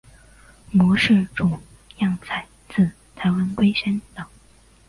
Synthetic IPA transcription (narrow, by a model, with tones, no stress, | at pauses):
mɔ˧˥ʂɻ̩˥˩ʈ͡ʂu˨˩ | jɑ˥˩ŋt͡sʰa˨˩ɪ | t͡s̩ʰ˥˩ | t̪ʰa˧˥ɪwa˧˥nkwe˥ɪɕa˥nt̪ɑ˨˩˦